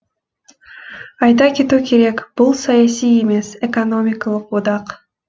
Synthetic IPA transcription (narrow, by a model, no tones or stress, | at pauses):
ɑjt̪ɑket̪ukʲʰeɾe̞kb̥ulˠsɑjasijeme̞sekonomʲɪkɑlˠəq̚ud̪ɑq